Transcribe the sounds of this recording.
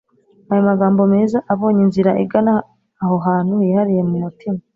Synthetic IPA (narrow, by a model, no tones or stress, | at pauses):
ajo̞maɡaːmbo̞meːzaʔaβo̞ːɲinziɾaʔiɡanaː | ɦo̞ɦaːn̥hujihaɾije̞mumutima